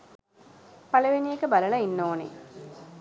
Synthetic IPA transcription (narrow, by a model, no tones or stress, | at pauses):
pɐlɐʋinijekəbɐlɐɭɐinːoːnḛ